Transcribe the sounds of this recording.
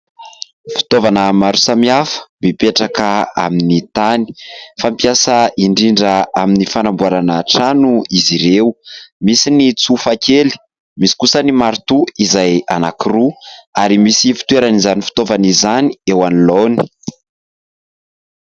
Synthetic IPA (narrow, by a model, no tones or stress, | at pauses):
fi̥t̪ovanəmaɾu̥samiafə̥mipeʈ͡ʂakəa̰minit̪ani̥fampiasəiɳɖ͡ʐiɳɖ͡ʐəaminifanambuaɾanaʈ͡ʂanuiziɾewmisinit͡sufakeli̥ | misi̥kusənimaɾt̪uizaja̰nakiruaɾimisifi̥t̪ueɾanizanifi̥t̪ovanizaniewaniloni̥